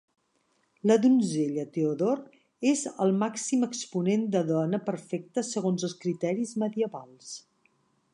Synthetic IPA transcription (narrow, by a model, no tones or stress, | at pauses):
ləðunzeʎət̪euðoɾ | ezəlˠmaksiməkspunend̪əðɔnəpəɾfɛk̚t̪əsəɣ̞onzəlˠskɾit̪ɛɾizməðiəβalˠs